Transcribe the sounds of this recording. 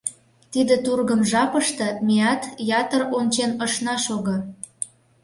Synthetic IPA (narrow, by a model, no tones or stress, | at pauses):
t̪id̪ĕt̪urɣəmʒɑpəʃt̪ɤ̆mʲiɑt̪jɑt̪əront͡ɕenəʃnɑʃoɣŏ